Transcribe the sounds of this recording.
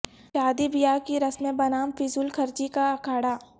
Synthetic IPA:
ʃaːd̪ibijaːkiɾɐsmẽbɐnaːmfisulkʰɐɾt͡ʃikaɐkʰaːɽaː

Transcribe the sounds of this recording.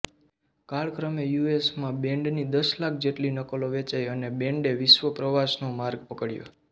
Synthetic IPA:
kaɭkɾəmejuesmãbɛ̃ɳɖnid̪əslak̚ʰd͡ʒeʈlinəkəloʋet͡ʃəjənebẽɳɖeʋɪʃʋəpɾəʋasnomaɾɡ̚pəkəɽjo̰

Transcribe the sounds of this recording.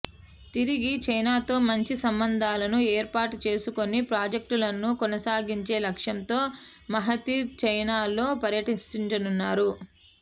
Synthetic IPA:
t̪iɾiɡit͡ʃɐjnaːt̪o̞ːmɐɲt͡ʃisɐmbɐnd̪ʱaːlɐnueːɾpaːʈut͡ʃe̞ːsuko̞nipɾaːd͡ʒek̚ʈulɐnːukɔnɐsaːɡiɲt͡ʃe̞ːlɐkʂjɐnt̪o̞ː | mɐɦɐt̪iɾt͡ʃɐjnaːlo̞ːpɐɾjɐʈit͡ʃiɲt͡ʃɐnunːaːɾu

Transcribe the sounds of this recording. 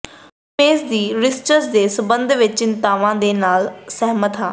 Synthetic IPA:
peːsd̪iːɾɪst͡ʃəsd̪eːsəbənd̪ʱʋɪt͡ʃt͡ʃɪnt̪aːʋãːd̪eːnaːlsɛɦmət̪ɦaː

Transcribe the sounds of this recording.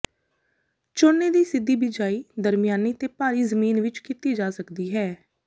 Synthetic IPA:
t͡ʃonːeːd̪iːsɪd̪ːiːbɪd͡ʒaːiːd̪əɾmɪjaːniːt̪eːpaːɾiːzəmiːnʋɪt͡ʃkit̪iːd͡ʒaːsəkd̪iːɦɛː

